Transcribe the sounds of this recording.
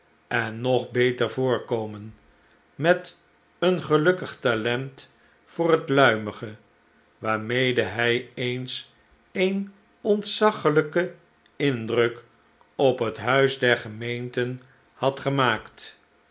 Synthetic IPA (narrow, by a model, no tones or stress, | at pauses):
ɛnːɔχbejtəɹvʊːɹkowmən | mɛt | ənχəlɵkəχtalɛnt | fʊːrɦətlœɥməχə | ʋaːɹmejdəɦɛjejns | ejn | ɔntsɑχələkə | ɪndrɵk | ɔpɦətɦœɥsdɛɹχəmejntən | hɑtχəmaːkt